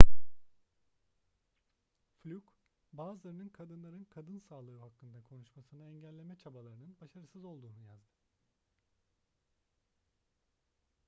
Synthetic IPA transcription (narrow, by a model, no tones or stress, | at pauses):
flʲyk | baːzɯlˠaɾɯnɯnkʰad̪ɯnlˠaɾɯnkʰad̪ɯnsaːlˠɯɯhakːɯnd̪akʰo̞nuʃmasɯnaɛɲɟælʲːe̞mɛt͡ʃʰabalˠaɾɯnɯnbaʃaɾɯsɯzo̞lˠd̪uːnujazd̪ɯ